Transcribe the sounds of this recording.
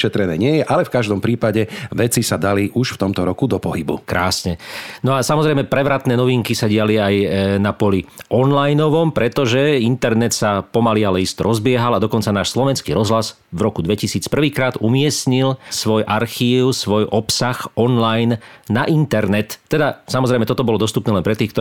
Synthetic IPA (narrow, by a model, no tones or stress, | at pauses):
ʃɛt̪ɾɛnɛːɲɪɛjɛʔalɛfkaʒd̪ɔmpɾiːpaɟɛʋɛt͡sisad̪aliʔuʃft̪ɔmt̪ɔɾɔkud̪ɔpɔɦibṵkɾa̰ːsɲɛnɔasamɔzɾɛjmɛpɾɛʋɾat̪nɛːnɔʋiŋkisaɟɪaliajnapɔliʔɔnlajnɔʋɔmpɾɛt̪ɔʒɛint̪ɛɾnɛt̪sapɔmalialɛist̪ɾɔzbɪɛɦalad̪ɔkɔnt͡sanaːʃslɔʋɛnskḭːɾɔzɦlaz | ʋɾɔkud̪ʋɛcisiːt͡spr̩ʋiːkɾaːd̪umɪɛsɲilsʋɔjʔaɾxiːʊsʋɔjʔɔpsaxɔnlajnːaʔint̪ɛɾnɛt̪ːɛd̪asamɔzɾɛɪjmɛt̪ɔt̪ɔbɔlɔd̪ɔst̪upnɛːlɛnpɾɛt̪iːxkt̪